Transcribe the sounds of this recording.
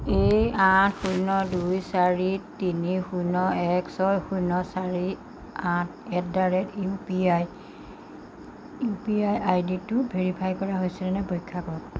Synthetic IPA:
ejatxujnɔdujsaɹitinixujnɔɛksɔjxujnɔsaɹi | ãt | ɛt̚daɹɛtipiaj | piajajditʊbʱeɹipʰajkɔɹaɦojsɛnɛnɛbɔjkʰːakɔk

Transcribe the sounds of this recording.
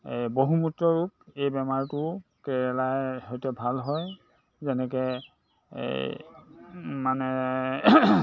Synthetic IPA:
ḛjboɦumutɹɔɹuk̚ejbɛmaɹtʊkɛɹɛlajɦojtɛbʱalɦɔj | zɛnɛkɛ̰ | manɛ

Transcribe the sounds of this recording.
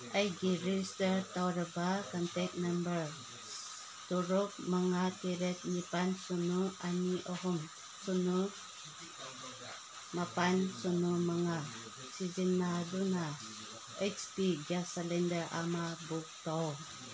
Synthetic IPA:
ajɡiɾistəɹtawɾəbakantɛk̚nambəɹ | tuɾuk̚maŋatiɾɛt̪̚nipansunuaniʔɔɦum | sunu | mapansunumaŋa | sid͡ʒinːaduna | et͡ʃpiɡasalɛndəɹʔa̰mabuk̚tɔw

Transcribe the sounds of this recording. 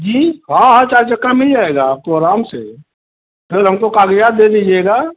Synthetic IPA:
d͡ʒiːɦãɦəɾt͡ʃaːɾd͡ʒəkːamɪld͡ʒaːeɡaːp̚koɾaːmsḛ | pʰɪlɦəmkokaːɡjaːd̪̚d̪ed̪id͡ʒeɡaː

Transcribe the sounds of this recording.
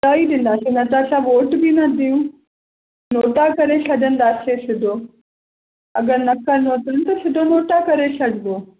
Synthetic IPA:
t̪aːiɗɪ̃n̆d̪aːsenɐt̪asãʋoːʈbinɐd̪ʱijũ | noːʈakɐɾesɐɗə̃nd̪aːsesɪd̪ʱoː | ɐɡəɾnɐkɐɾnoːt̪ənt̪ɐsɪd̪ʱonoːʈakɐɾesɐɖʱɪɡ̪oː

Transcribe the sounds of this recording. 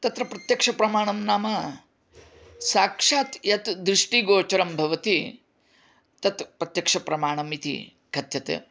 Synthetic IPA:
t̪ɐt̪ɾɐpɾɐt̪jɐkʂɐpɾɐmaːɳɐmnaːmɐ | saːkʂaːt̪jɐt̪d̪ɾɨʂʈiɡoːt͡ʃɐɾɐmbʱɐʋɐt̪i | t̪ɐt̪pɾɐt̪jɐkʂɐpɾɐmaːɳ̃ɐmit̪ḭ | ɡʱɐt̪jɐt̪ḛ

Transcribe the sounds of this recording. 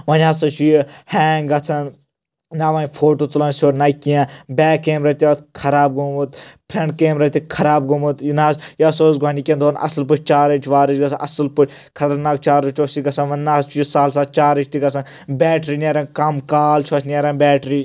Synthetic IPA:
ʋɐnʲaːsɐt͡ʃʰujihɛːŋɡɐt͡sʰɐn | naːʋɐnʲpʰoːʈoːt̪ulɐnsʲoːʈʲnɐkiãbʲɛːkːeːmɾɐt̪ʲiɐt̪kʰɐɾaːb̚ɡomut̪pʰɾẽɳʈ̚keːmɾɐt̪ʲikʰɐɾaːb̚ɡomut̪jinaːsjiɐsoːsɡʱaːnikʲẽnd̪oːnʔɐ̰sɨlp̬ɨt͡ʃʰʲt͡ʃaːɾɐt͡ʃʰʋaːɾɐt͡ʃɡɐt͡sʰnʔɐsɨlput͡ʃʰʲ | kʰɐt̪ɐɾnaːk̚t͡ʃaːɾɨt͡ʃt͡ʃʰʲoːsiɡɐt͡sʰɐnʋɐnʲnaːst͡ʃʰujisaːls̬aːt͡ʃaːɾɐt͡ʃʰʲt̪iɡɐt͡sʰɐn | bʲɛːʈɾiːnʲeɾɐnkɐmkaːlt͡ʃʰot͡ʃʰʲnʲeɾɐnbʲɛːʈɾiː

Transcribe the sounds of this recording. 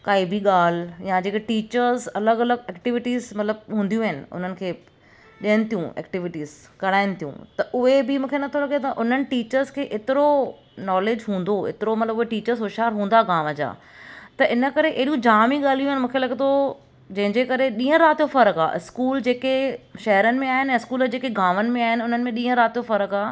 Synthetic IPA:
kaːibiɠaːl̤jãd͡ʑeːkeʈiːt͡ɕəɾzɐləɡɐləɡ̚ɛːkʈɪʋɪʈiːzmɐt̪ləb̚ɦũːnd̪ijũɦɪnɪ̰̆ʊ̰n̤ənɪ̆kʰeː | ɗiənɪ̆t̪ʰijũɛ̰ːkʈɪʋɪʈiːzkɐɽ̃aːɪnɪ̆t̪ʰijṵ̃t̪ɐʔʊɦebɪmũːkʰenɐt̪ʰolɐɡt̪ɐʔʊn̤ənɪ̆ʈiːt͡ɕəɾzkʰeːʔɪt̪ɪɾo | nɔːleːd͡ʑɦũːn̆d̪oɪ̰t̪ɪɾomɐt̪ləbʊɦeʈiːt͡ɕəɾzɦʊʃaːɾɦũːnd̪aːɡaːməd͡ʑa̰ː | t̪ɐʔɪnə̆kɐɾeʔeɦɗijũd͡ʑaːmĩɠaːl̤ijũaːɪnɪ̆mũːkʰelɐɡt̪o | d͡ʑɐ̃ɦɪ̃ɲd͡ʑekɐɾeɗĩːə̃ɾaːt̪ijofɐɾəka̰ːʔɪskuːld͡ʑeːkeʃɐɦəɾənɪ̆mẽaːɦɪnɪɛ̃ːɪskuːləd͡ʑeːkeɡaːmənɪ̆mẽaːɦɪnɪ̆ʊn̤ənɪ̆mẽɗĩːə̃ɾaːt̪ijofɐɾəkaː

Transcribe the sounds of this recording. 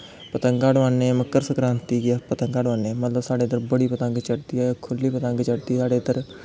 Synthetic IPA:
pət̪əŋɡaːɖʋãːneːməkːəɾsəkɾãːnt̪iːɡapət̪əŋɡaːɽʋaːneːmət̪ləbsaːɖeːd̪əɾbəɽiːpət̪ə̃ŋɡt͡ʃəʈd̪iːakʰʊlːiːpət̪əŋɡt͡ʃəʈ̚d̪iːsaːɖeːd̪əɾ

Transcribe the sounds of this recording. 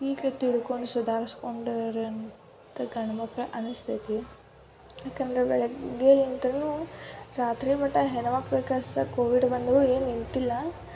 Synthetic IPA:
iːket̪iɭuko̞ɳɖusud̪ʱaːɾiskoɳɖɐɾɐn | t̪ɐɡɐɳɐmɐkɐʔɐnust̪ʰit̪i | jaːkɐnd̪ɐɾebɛɭɐɡeːlint̪ɐɾɐnuɾaːt̪ɾimɐʈːɐɦɛnɐʋaːɡbeːkasɐkoːʋiɖbɐnd̪ɐɾueːnint̪ilːɐ

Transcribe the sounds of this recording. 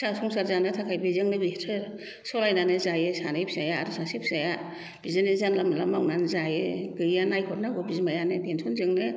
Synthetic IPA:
sasɔŋsaɾzanɯtʰakʰajbezɯŋnɯbitʰɯɾ | sɔlajnanɯzajesanajpʰzajaːɾɯsasepʰz̥aja | b̥izɯnezanlamlamawnanzajeɡɯjanajkʰɔtnaɡɔbizmajanɯdensʰɔnzɯŋnɯ

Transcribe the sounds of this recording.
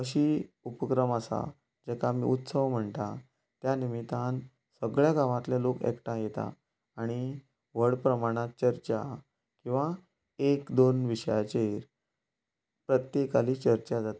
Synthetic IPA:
əɕiupəkɾəməsa̰ | d͡ʑɛkʰamḭːut̪səʋm̤əɳt̪a̰ | t̪janimit̪an | səɡɭjaɡaʋãt̪lelokḛkʈãjet̪a̰ː | ɽ̃i | ʋəɽpɾəmaɽ̃at̪̚t͡ɕəɾt͡ɕa | kĩw̃ʋa | ekd̪onʋiɕəjat͡ɕeɾ | pɾət̪jekaliːt͡ɕəɾt͡ɕad͡zat̪ḁ

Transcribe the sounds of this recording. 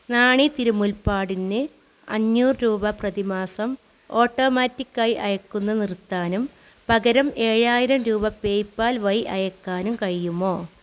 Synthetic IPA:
naːɳit̪iɾumulpaːɽinːɨ | ɐɲːuːrɨɾuːbɐprɐðimaːsɐm | o̞ːʈːo̞ːmaːtːikːɐjiʔɐjɐkːunːɐnirt̪ːaːnum | pɐɡɐɾɐme̞ːɻaːjiɾɐmɾuːbɐpeːjpːaːlʋɐjʔɐjɐkːaːnumkɐɻijumːoː

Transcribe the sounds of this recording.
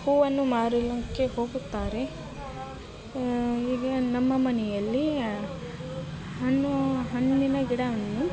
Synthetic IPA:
huːʋɐnːumaːɾilɐŋkehoːɡut̪ːaːɾe | iːɡɐnɐmːɐmɐnɛjɐlːi | ɦɐnːuɦɐnd̪inɐɡiɽɐʋɐnːu

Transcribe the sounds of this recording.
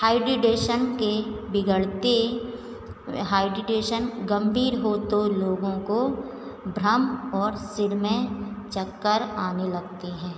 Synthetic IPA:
haːɪɖɾɪɖeːʃənkebɪɡəɽt̪e | ɦaːɪɖɾɪɖeːʃənɡə̃mbʱiːɾɦoːt̪oloːɡõko | bʱɾəmɔːɾsɪɽmẽt͡ʃəkːəɾaːnelɐɡ̚t̪eɦɛ̃ː

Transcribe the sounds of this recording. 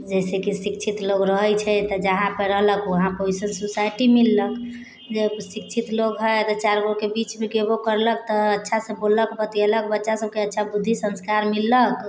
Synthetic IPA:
d͡ʒɛsekisik̚t͡ʃʰit̪loɡɾəɦɛt͡ʃʰɛt̪ɔd͡ʒəɦãpəɾəɦləkoɦãpoisənsusajʈimilːək | d͡ʒesik̚t͡ʃʰit̪loɡɦət̪ɔt͡ʃaɾɡokebit͡ʃmẽɡebokəɾlək̚t̪ɔːtːʃʰasəbolːəkbət̪iələkbətːʃasəb̚keətːʃʰabud̪ʱːisə̃nskaɾmilːək

